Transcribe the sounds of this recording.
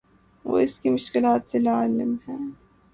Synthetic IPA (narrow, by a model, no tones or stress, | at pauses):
ʋo̰ːɪskimʊʃkɪlaːt̪selaːlɪmhɛː